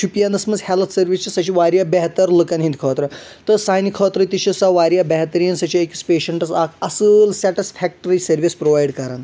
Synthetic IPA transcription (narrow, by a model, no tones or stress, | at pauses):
t͡ʃʰupijand̪ɐsmɐd͡zhelt̪ʰsɐɾʋit͡ʃɐsɐt͡ʃʰiʋaɾjabeɦt̪əɾlokanɦĩnd̪kʰɔːt̪ɾɐt̪əsajnikʰɔt̪ɾɐt̪it͡ʃʰisaʋaɾjabɛɦt̪ɾinsɐt͡ʃiekispeːʃəɳʈɐsakʰɐsəlsɛʈisfʰɛk̚ʈəɾisɐɾʋispɾoʋajɽkɐɾan